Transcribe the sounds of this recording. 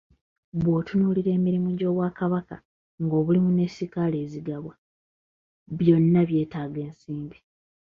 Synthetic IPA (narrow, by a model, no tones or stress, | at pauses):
βwoːtunuːliɾe̞ːmiɾimuɟo̞ːβwaːkaβaka | ŋɡo̞ːβulimune̞sikale̞ːziɡaβwa | βjo̞nːaβje̞ːtaːɡe̞ːnsiːmbi